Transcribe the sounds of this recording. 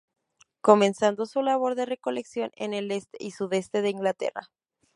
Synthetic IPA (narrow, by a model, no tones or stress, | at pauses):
ko̞mẽ̞nsand̪o̞sulaβ̞o̞ɾðe̞re̞ko̞le̞ksjo̞nḛne̞le̞st̪eisuðe̞st̪e̞ðe̞iŋɡlat̪e̞̰ra̰